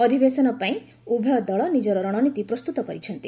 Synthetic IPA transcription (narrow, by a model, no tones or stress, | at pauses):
ɔd̪ʱibesɔnɔpaĩ | ubʱjɔd̪ɔɭɔnid͡ʒɔɾɔɾɔɽ̃ɔnit̪ipɾɔst̪ut̪ɔkɔɾit͡ʃʰɔnt̪i